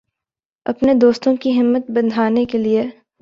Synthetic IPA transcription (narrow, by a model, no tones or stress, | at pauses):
ɐpned̪oːst̪õkiɦɪmːət̪̚bɐ̃nd̪ʱaːnekelie